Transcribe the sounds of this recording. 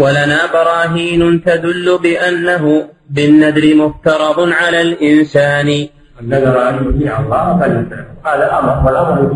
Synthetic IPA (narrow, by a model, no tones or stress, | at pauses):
walanaːbɑɾˤɑːɦiːnʊt̪ad̪ʊlːʊbɪʔanːaɦʊ | bɪnːad̪ɾɪmʊft̪ɑɾˤɑd̪ˤʕalaːlʔɪnsaːnɪ | ʔanːad̪ɾˤɑʔamʊhiʕalˤːɑːʔfalɪsalaqɑːlaʔamɑɾfalabʊ